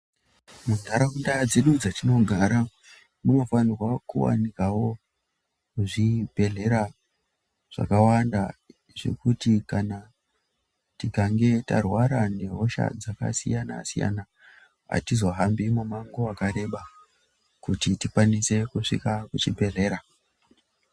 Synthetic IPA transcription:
munaɾaundad͡ze̞ɗud͡zatino̞ɡʱaɾa | munofanirwakuwa̰nikawo̞ | uʐibʱe̞ɮe̞ɾa | ʐ̥a̰kawanda | ʐe̞̰kutikana | tikaŋɡe̞ta̰rwaɾane̞ɦo̞ʃa̰d͡zaka̰sḭjana̰sḭja̰na | ɦa̰tizo̞ɦambimumaŋɡoakaɾe̞ɓa | kutitikwanise̞kuʂḭkakut͡ʃibʱe̞ɮe̞ːɾa

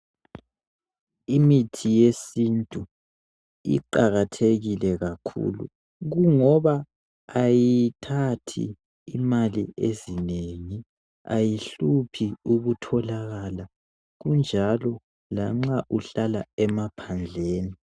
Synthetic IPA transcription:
imitʰijesintʼu | ḭǃaɣatʰeɣilɛɣakʰṵlṵ | ɣuŋɔβaː | jitʰatʰḭː | maliezineŋi | a̰jiɬupʰiuɣutʰɔlaɣala | ɣund͡ʒʱalɔ | laŋ͡ǁaʔuɬalaɛmapʰand͡ɮʱeːni

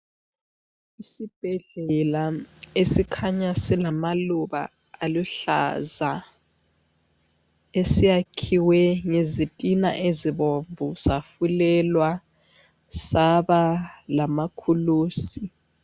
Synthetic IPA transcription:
isib̥ʱɛɮɛlaesikʰaɲasilamaluβa̰ | aluɬa̰za | esijakʰiwɛŋezitʼina̰ʔeziβoɱvusafulɛlwa | saβalamakʰuluːsi

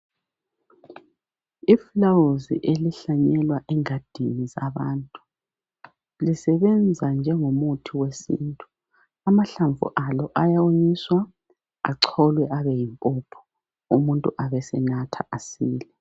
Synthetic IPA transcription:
iflawuzḭʔeliɬaɲɛlwaʔɛŋad̥ʱiniza̰βa̰ːntʼu̥ | lisɛβɛnd͡zʱand͡ʒʱɛŋomutʰiwesḭntʼu | amaɬaɱvṵʔalɔʔajawoɲiswa | a̰ǀʰɔlwɛʔaβɛjimpʼɔpʰɔ̥ | umuntʼuʔaβɛsɛnatʰa̰ʔasiːlɛ

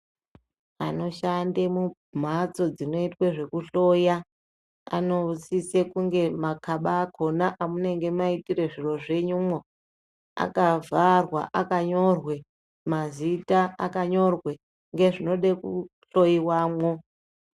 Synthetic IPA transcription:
a̰no̞ʃandemu | m̤at͡so̞d͡zino̞itweʐe̞kuɬo̞ja | a̰no̞t͡sisekuŋɡe̞makʰaɓaːkʰo̞naʔamune̞ŋɡe̞maitire̞ʐiro̞ʐe̞ɲumo | a̰kavʱarwa̰ʔakaɲo̞rwe̞ | mazitaakaɲo̞rwe | ŋɡe̞ʐino̞ɗekuɬo̞jiwaːmwo

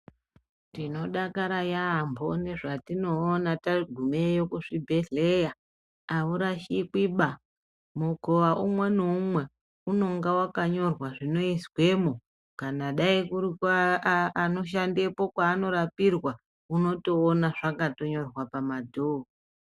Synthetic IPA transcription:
tino̞ɗakaɾajaːmbʱo̞ne̞ʐatino̞ːnataɡʱumejokuʂibʱe̞ɮejaː | uɾaʃikiɓa | mukoʋaʔumwe̞noumwe̞ | uno̞ŋɡawakaɲo̞rwaʐino̞iswe̞mo | kanaɗaikuɾikaː | no̞ʃ̬ande̞po̞kwaːno̞ɾapirwa | uno̞to̞ːnaʐakato̞ɲo̞rwapamadʱo

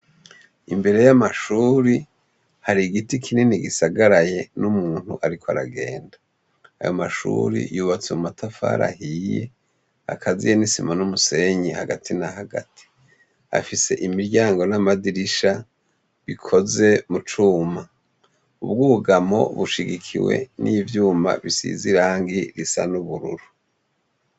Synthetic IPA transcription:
imbe̞ɾe̞jamaʃuːɾi | haɾiɡitikʰineniɡisaɡaɾaje̞numuːn̥hṵʔaɾikʰoa̰ɾa̰ɡe̞̰ːnda | a̰jo̞̰maʃṵɾḭjuːβat͡semumatafa̰ɾa̰hijḛ | a̰kʰazḭjenisimanumuse̞ɲihaɡatʰinahaɡa̰tʰi̥ | a̰fise̞ʔimiɾɟaːŋɡo̞namadiɾiʃa | βikʰo̞ze̞mut͡ʃuːma | uβ̚ɡuɡamo̞̰βuʃiɡikʰḭwe̞̰nʔivjuːma̰βisḭziɾaːŋɡiɾisa̰nuβuɾṵɾu

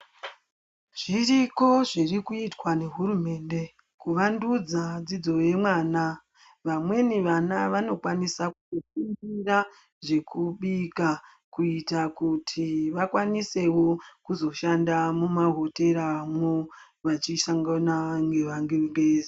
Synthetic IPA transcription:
ʐ̥iriko̞ʐirikuitwane̞ɦurume̞ːnde̞ | kuʋandud͡zad͡zid͡zo̞je̞mwaːna | ʋamwe̞niʋanaʋano̞kwanisakuzofumbira | ʐe̞kuɓika | kuitakutʰiʋakwanise̞wo̞kuzo̞ʃandamumaɦo̞te̞ɾaʋamweo | ʋat͡ʃiʃaŋɡanaŋɡeʋaŋɡeŋɡeːzi

